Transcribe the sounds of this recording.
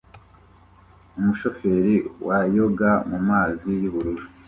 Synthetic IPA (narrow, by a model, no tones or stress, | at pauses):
umuʃo̞fe̞ɾiwajo̞ɡamumaːzijuβuɾuɾu